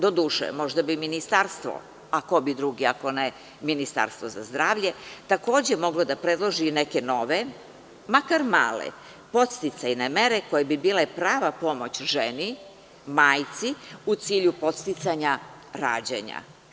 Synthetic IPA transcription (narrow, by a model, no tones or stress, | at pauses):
d̪o̞d̪uːʃḛmo̞ʒd̪abiminist̪aɾst̪ʋo̰ | ako̞bid̪ɾuɡiako̞ne | minist̪a̰ɾst̪ʋo̞zazd̪ɾaːʋʎe̞t̪ako̞ːd͡ʑemo̞ɡlod̪apɾed̪lˠo̞ʒineke̞no̞ʋe | makaɾma̰ːlḛ | po̞t̪st̪it̪sajnemeɾeko̞jebibiːlepɾaːʋapo̞mo̞t͡ɕʒeni | maːjt̪siut̪siːʎupo̞t̪st̪it̪saɲa | ɾa̰ːd͡ʑḛɲa̰